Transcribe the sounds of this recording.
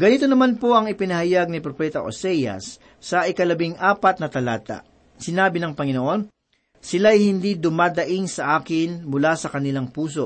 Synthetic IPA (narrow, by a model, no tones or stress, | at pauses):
ɡɐnit̪o̞nɐmanpo̞ʔɐŋɪpɪnɐhɐjaɡ̚nɪpɾopɛːt̪ɐʔo̰sɛjɐ̰sː | ɐʔɪkɐlɐbɪŋʔaːpɐt̪nɐt̪ɐlaːt̪a̰ | sɪnaːbɪnɐŋpɐŋɪnoʔo̞n | sɪlajhɪnd̪id̪ʊmaːd̪ɐʔɪŋsɐʔaːkɪnmʊlasɐkɐnɪlaŋpuːso̞